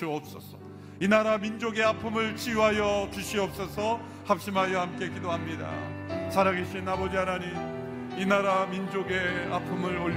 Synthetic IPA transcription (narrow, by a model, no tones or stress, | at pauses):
ʌp̚s͈ʌsʰʌ̥ | inaɾamind͡ʑoɡe̞apʰɯmɯɭt͡ɕʰijuɦajʌt͡ɕuɕʰiʌp̚s͈ʌsʰʌ | hap̚ɕ͈imɦajʌhamk͈e̞kidoɦamɲida̰ | sʰaɾaɡeɕʰinabʌd͡ʑiɦanaɲi | inaɾamind͡ʑoɡe̞a̰pʰɯmɯɾoʎ